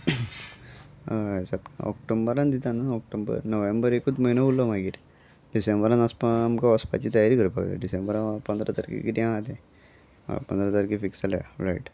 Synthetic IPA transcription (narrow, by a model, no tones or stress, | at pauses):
sapnɔ̰kʈombəɾand̪it̪anaɔk̚ʈombə̰ɾnəʋembəɾekuːt̪məjnaulɔmaɡiːɾ | ɖisembəɾãnaspaːmkaʋəspa̰t͡ɕiːt̪əjaɾiːkəɾupakd̪a̰ɖisẽmbəɾãpənd̪ɾʔat̪əɾkḭkit̪iãat̪ḛ̃ | pənd̪ɾat̪əɾkifiksala̰ɾaiʈ